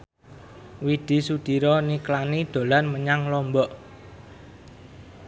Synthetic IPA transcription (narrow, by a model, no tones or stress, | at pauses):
wid̪̥i̤sud̪̥i̤ɾɔniklanid̪̥o̤lanməɲaŋlɔmbɔʔ